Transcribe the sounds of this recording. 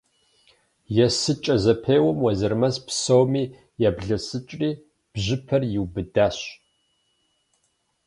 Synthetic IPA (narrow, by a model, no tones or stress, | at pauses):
jɛsɨt͡ʃʼɐzɐpʰeːwɐmwɐzɨrmɐspsowmiː | jaːbɮɐsɨt͡ʃʼriː | b̥ʑɪpʰɐrjɪwbɨdaːɕ